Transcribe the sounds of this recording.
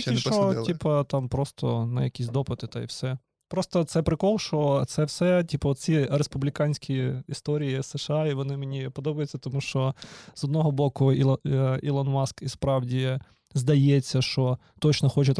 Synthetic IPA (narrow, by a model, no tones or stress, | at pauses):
iʃɔtʲipɐt̪ɑmpɾɔst̪ɔ̰nɐ̰jɐkʲisʲd̪ɔpɪt̪ɪt̪ɐḭwsɛ | pɾɔst̪ɔt̪sɛpɾɪkɔlˠʃɔt̪sɛwsɛtʲipɐt̪t͡sʲiɾespʊblʲɪkɑnʲsʲkʲiist̪ɔɾʲijiseʃɑiʋɔnɪmenʲipɔd̪ɔbɐjʊt͡sʲːɐt̪ɔmuʃt͡ʃɔz̥ɔd̪nɔɦɔbɔkʊiḭlˠɐnmɑskispɾɑwdʲi | zd̪ɐjɛt͡sʲːɐʃt͡ʃɔ | t̪ɔt͡ʃnɔxɔt͡ʃɐt̪